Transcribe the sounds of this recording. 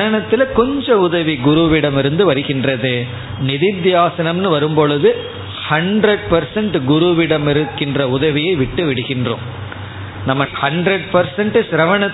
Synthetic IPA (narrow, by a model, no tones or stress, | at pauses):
ɐnɐt̪ːɪlɐkɔɲd͡ʒɐ̃ʊðɐʋiɡʊɾuʋɪɽɐmɪɾɯnd̪ɯʋɐɾɯɣɪndrɐðɯ | nɪðɪd̪jaːsɐnɐmnɯʋɐɾɯmpɔɭɯðɯ | hɐɳɖɾɐɽ̚pɐɾsɐɳʈɡʊɾuʋɪɽɐmɪɾɯkːɪndrɐʊðɐʋɪjɐɪʋɪʈːɯʋɪɽɯɣɪndrõ̰ːm | nɐmːɐhɐɳɖɾɐɽ̚pɐɾsɐɳʈɯsɪɾɐʋɐnɐ